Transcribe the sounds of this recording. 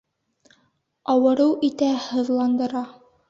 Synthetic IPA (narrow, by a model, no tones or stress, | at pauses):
ɑwɤ̆ɾɤwʔit̪æhɤ̆ðlˠɑnd̪ɤ̆ɾɑ